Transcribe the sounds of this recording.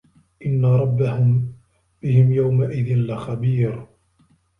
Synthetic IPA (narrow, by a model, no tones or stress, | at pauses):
ʔɪnːaɾˤɑbːahʊm | b̥ɪhɪmjawmaʔɪðɪnlɪxabiːɾ